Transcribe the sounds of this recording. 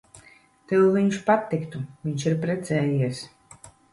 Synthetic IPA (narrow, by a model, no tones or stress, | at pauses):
t̪ewviɲʃpat̪ːikt̪uviɲʃiɾpɾɛt̪sɛːjiɛs